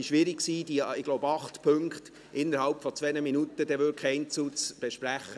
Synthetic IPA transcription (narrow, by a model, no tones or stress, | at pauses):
ɪʃʋɪɾɪkksiːdiɪɡ̥loʊbəɑχt̪pʰɵŋkt | ʔɪnːəɾhɑlpfɔt͡sʋɛnəminut̪əd̥̪ɛʋʏkʰχɛɪnt͡sut͡sb̥eʃpɾæχːə